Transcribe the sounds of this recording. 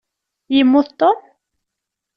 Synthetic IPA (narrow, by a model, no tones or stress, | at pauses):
jəmːʊθt̪ˤːom